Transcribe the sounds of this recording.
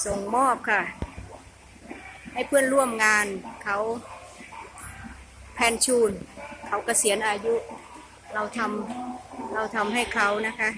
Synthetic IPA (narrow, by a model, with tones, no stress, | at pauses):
so˨˩ŋmɔː˥˩p̚kʰa˧˩ | ha˥˩jpʰɯ˥˩ənɾu˥˩əmŋaː˧nkʰa˦˥w | pʰɛː˧nt͡ɕʰuː˧˩nkʰa˨˥wka˧˩si˩˦ənʔaː˧ju˦˥ʔ | la˧wt̪ʰa˧m | la˧wt̪ʰa˧mha˥˩jkʰa˨˦wna˦˥kʰa˦˥